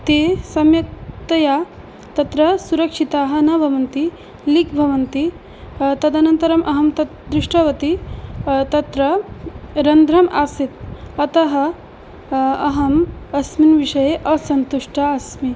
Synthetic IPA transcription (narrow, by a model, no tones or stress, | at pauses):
t̪eːsɐmjɐk̚t̪ɐjaː | t̪ɐt̪ɾɐsuɾɐkʂit̪aːɦɐ̆nɐbʱɐʋɐnt̪i | likbʱɐʋɐnt̪i | t̪ɐd̪ɐnɐnt̪ɐɾɐmʔɐɦɐmt̪ɐ | d̪ɾɪʂʈɐʋɐt̪i | t̪ɐt̪ɾɐ | ɾɐnd̪ɾɐmʔaːsit̪̚ɐt̪ɐɦɐ | ɐɦɐmɐsminʋiʂɐjeʔɐsɐnt̪uʂʈaɐsmi